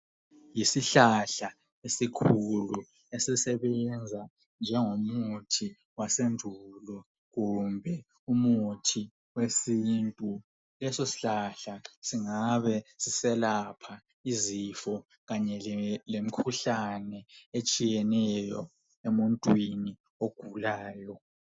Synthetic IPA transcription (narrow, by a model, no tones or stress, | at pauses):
jisiɬaɬa | esikʰulu | esisɛβɛnd͡zʱa | nd͡ʒʱɛŋomutʰi | wasendʱulɔ | ɣumbʱɛ | umutʰi | wesintʼu | lɛsosi̥ɬaɬasiŋaβɛsisɛlapʰa | izifɔ | ɣaɲɛlem̩kʰuɬanɛet͡ʃʼijɛnɛjɔ | emuntʼwini | oɡ̥ʱulaːjɔ